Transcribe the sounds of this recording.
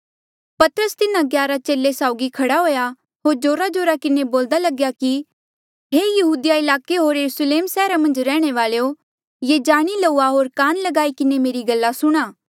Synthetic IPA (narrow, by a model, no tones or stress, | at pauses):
pɐt̪əɾəst̪ɪnãɡjaːɾat͡ʃeːlːesaːʊɡikʰɐɽaɦoːja | ɦoːɾd͡ʒoːɾad͡ʒoːɾakɪneboːld̪alɐɡjaki | ɦeːjɐɦuːd̪jaɪlaːkeɦoːɾjɐɾusleːmsɛːɾamɐ̃nd͡ʒɾɛːɽ̃eʋaːlejo | jed͡ʒaːɽ̃ilouːaɦoːɾkaːnlɐɡaːikɪnemeːɾiɡɐlːasʊɽ̃aː